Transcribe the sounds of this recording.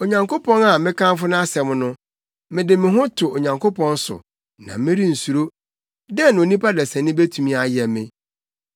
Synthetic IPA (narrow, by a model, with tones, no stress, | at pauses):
o˨ɲã˨ŋkʰo˦pʰɔ̃˦na˨mɪ̃˦kʰã˦mfʊ˦nʊ̃˦a˦sɛ˨m˦nʊ̃˦ | mɪ̃˨dɪ˨mɪ̃˨ɦʊ̃˦tʰʊ˨o˨ɲã˨ŋkʰo˦pʰɔ̃˦n˦sʊ̰˨ | nã̰˨mɪ̃˦ɾi˦n̩˨su˨ɾo˦ | dɛ˦n˨o˨nĩ˦pʰa˦dɛ˨sɛ̃˨nɪ̃˦be˦tʰũ˨mĩ˦a˨jɛ˨mɪ̰̃˦